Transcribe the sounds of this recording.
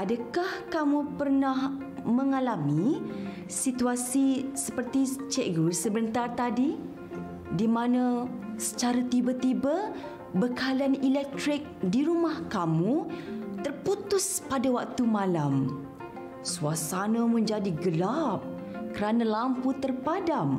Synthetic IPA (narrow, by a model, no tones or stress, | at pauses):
ʔadakahkamupərnah | məŋalami | sit̪uasisəpərt̪it͡ʃɛʔɡusəbənt̪art̪adi | dimanãsə̥t͡ʃaɾat̪ibat̪iba | bəkalianilɛk̚t̪ɾɪk̚diɾumahkamut̪ərput̪ʊspadawak̚t̪umãlam | suasanamə̃ɲd͡ʒadiɡəlap̚ | kəɾanãlamput̪ərpadam